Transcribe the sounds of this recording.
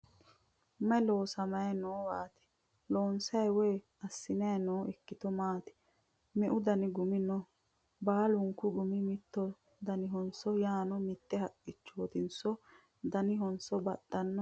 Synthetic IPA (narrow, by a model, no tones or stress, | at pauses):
mɛloːsɐmɐjɛnoːwaːt̪ɪ̥ | loːnsɐjweː | ɐsːɪnɐnoːɛkːɪt̪ɔmaːt̪ɪ̥ | mɛʔʊd̪ɐnɪɡʊmɪnɔ | baːlʊŋkːʊɡʊmɪmɪt̪ːɔ | d̪ɐnɪɦɔnsɔjaːnɔmɪt̪ːɛhɐkʼːɪt͡ʃːoːt̪ɪnsɔ | d̪ɐnɪɦɔnsɔbɐt̪ːɐnːɔ